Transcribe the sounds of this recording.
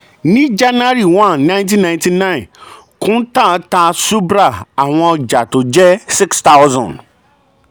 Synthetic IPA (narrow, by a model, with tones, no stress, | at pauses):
nĩ˦d͡ʒa˦na˦ɾi˨wã˦˨nːã˦nt̬ĩ˦nːã˨ɪ̃ntĩ˦nã˦˨ɪ̃˨n | kʰʊ̃˦n˦ta˦˨taː˦su˦bɾa˦˨a˨w̃ɔ̃˨d͡ʒa˨tʊ˨d͡ʒɛ˦sɪ˦ksta˦ʊzɔ̰̃˨n